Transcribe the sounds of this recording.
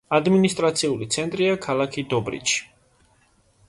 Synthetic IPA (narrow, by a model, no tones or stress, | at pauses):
ad̪minist̪ʼɾat̪sʰiulit̪sʰɛnt̪ʼɾiakʰalakʰid̪ɔbɾḭt͡ʃʰi̥